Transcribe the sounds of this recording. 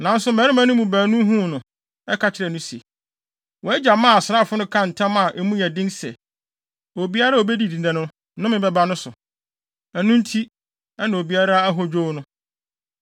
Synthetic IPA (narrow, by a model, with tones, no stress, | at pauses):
nã˨n̩˦sʊ˦mɛ̃˨˦ɾɪ˦mã˦nʊ̃˦mũ˨bæː˨nũ˦ɦũ˦˨nʊ̃˨ | ɛ˦kʰa˨t͡ɕʰɪ˨ɾɛ˨nʊ̃˦si˨e˨ | wɔ˨ɛ˦d͡ʑa˨mãː˦˨a˨sɾa˦˨fʊ˦nʊ̃˦kʰã˦n̩˨tʰã˦ma˨ʔɛ˦mũ˦jɛ˨dɪ̃˦nsɛ̰˨ | o˨bi˦a˦ɾa˦˨o˨bɛ˦di˨dĩ˨nɛ̃˨nʊ̃˦ | nʊ̃˦mɪ̃˨bɛ˦ba˦nʊ̃˦sʊ˨ | æ˨nũ˦n̩˦tʰi˦ | ɛ˦nã˨o˨bi˦a˦ɾa˦a˦ɦɔ˦d͡ʑᶣo˦nʊ̃˦